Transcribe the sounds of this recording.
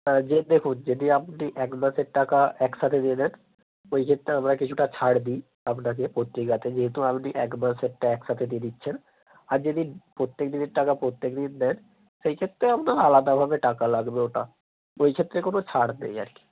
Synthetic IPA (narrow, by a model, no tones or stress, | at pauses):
d͡ʑed̪ekʰund͡ʑid̪iapniʔɛkmaʃeɾʈakaɛkʃat̪ʰed̪ied̪ɛn | ojkʰet̪ːɾeamɾakit͡ɕʰuʈat͡ɕʰaɽd̪i | apnak̬epɾot̪ɾiɡat̪ed͡ʑeɦet̪uapniʔɛkmaʃɛk̚ʈaɛkʃat̪ʰed̪ied̪itːɕʰen | aɾd͡ʑid̪ipɾot̪ːek̚d̪ineɾʈːakapɾot̪ːekd̪ind̪ɛn | ʃejkʰet̪ːɾeapnaɾalad̪abʱabeʈakalaɡbeoʈa | ojkʰet̪ːɾekonot͡ɕʰaɽnḛja̰ɾki̥